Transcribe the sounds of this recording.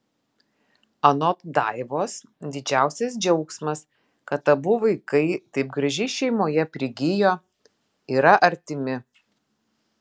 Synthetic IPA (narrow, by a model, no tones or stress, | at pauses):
ɐnɔt̪d̪ɑ̰ɪʋoːs | d̪ʲɪd͡ʒʲæˑʊsʲɛsd͡ʒʲɛʊksmɐs | kɐt̪ɐbʊʋɐɪkɐɪt̪ɐɪp̚ɡɾɐʒʲɪʃʲɛɪmoːjɛpʲɾʲɪɡʲɪjoː | iːɾɐʔɐɾʲt̪ʲɪmʲɪ